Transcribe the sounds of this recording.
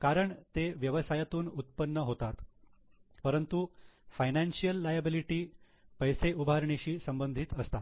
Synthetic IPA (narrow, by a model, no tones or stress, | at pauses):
kaɾəɳt̪eʋjəʋəsajat̪uːnut̪̚pənːəɦot̪at̪ | pəɾənt̪ufajnanɕijəlːajabiliʈiː | pəjseʔubʱaɾɳeɕiːsəmbənd̪ʱiːt̪əst̪a